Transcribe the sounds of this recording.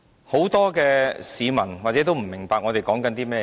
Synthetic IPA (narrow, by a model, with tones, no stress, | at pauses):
ho˨˥wt̪ɔː˥kɛː˧siː˨˧mɐ˨˩nwaː˨k̚t͡sɛː˨˥t̪o˥wm̩˨˩mɪ˨˩ŋpaː˧k̚ŋɔː˨˧t̪e˨jkɔː˨˥ŋkɐ˨˥nt̪iː˥mɛː˥